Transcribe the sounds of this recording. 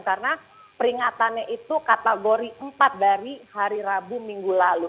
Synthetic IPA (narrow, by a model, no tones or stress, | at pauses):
karna | pəɾiŋat̪anaʔit̪ukat̪aɡoɾiʔəmpat̪̚daɾihaɾiɾabumiŋɡulalu